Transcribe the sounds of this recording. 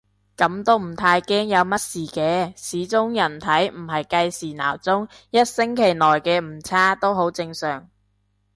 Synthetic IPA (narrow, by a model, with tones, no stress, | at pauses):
kɐ˨˥mt̪o˥wm̩˨˩t̪ʰaː˧jkɛː˥ŋjɐ˨˧wmɐ˥t̚siː˨˩kɛː˧sʰiː˨˥t͡sʊ˥ŋjɐ˨˩nt̪ʰɐ˨˥jm̩˨˩ɦɐ˨jkɐ˧jsiː˨˩na̰ː˨˩wt͡sʊ˥ŋ | jɐ˥t̚sɪ˥ŋkʰe˨˩jnɔː˨˩jkɛː˧m̩˨˩t͡sʰaː˥t̪o˥wɦo˨˥wt͡sɪ˧ŋsœː˨˩ŋ